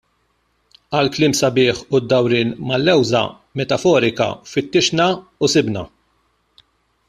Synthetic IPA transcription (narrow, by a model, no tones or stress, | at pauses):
ɐlklɪːmsɐbɪːħʊd̪ːɐwɾɪːnmɐlːɛwzɐ̰ | mɛt̪ɐfɔːɾɪkɐ̰fɪt̪ːɪʃnɐusɪbnɐ̰